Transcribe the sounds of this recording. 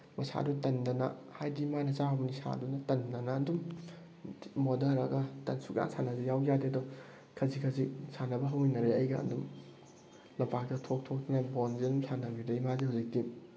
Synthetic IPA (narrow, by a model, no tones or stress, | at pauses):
mɐsa̰dutɐndɐnɐ̰hajdimanɐsaɦawmnisa̰dunɐtɐndɐnɐːndum | modɐɾɐɡɐtɐnsuka̰nsʰanɐzijawɡjadeɐdɔ | kʰɐzikʰɐzisʰanɐbɐɦɐwinɐɾeɐjɡɐɐ̰ndum | lɐpak̚tɐtʰok̚tʰok̚ninabonzidumsanɐbidɐimazihuzik̚ti